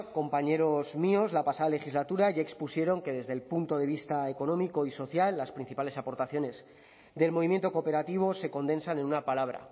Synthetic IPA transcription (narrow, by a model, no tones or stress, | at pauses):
ko̞mpaɲe̞ɾo̞zmio̞zlapasaðale̞xizlat̪uɾaʝaekspusje̞ɾo̞ŋke̞ðe̞zðe̞lpunt̪o̞ðe̞β̞ist̪aeko̞nõ̞miko̞iso̞θjalːaspɾin̟θipale̞sapo̞ɾt̪aθjo̞ne̞z | d̪e̞lmo̞βimje̞nt̪o̞ko̞ːpe̞ɾat̪iβ̞o̞se̞ko̞nd̪e̞nsane̞nunapalaβ̞ɾa̰